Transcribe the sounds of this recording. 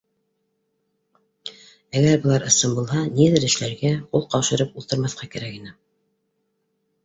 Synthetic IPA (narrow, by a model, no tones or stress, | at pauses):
æɡæɾbɤ̆lˠɑɾɤ̆sɤmbulˠhɑniðɘɾɘ̆ʃlæɾɡæqulˠqɑwʃɤ̆ɾɤpult̪ɤ̆ɾmɑθqɑkæɾækinɘ